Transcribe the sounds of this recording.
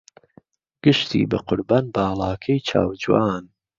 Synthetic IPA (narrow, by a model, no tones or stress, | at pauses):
ɡ̥ɨʃt̪ʰḭːbɐqʊɾbaːnbaːlˠɑːkʰɐjt͡ʃʰa̰ːwd͡ʒwaːn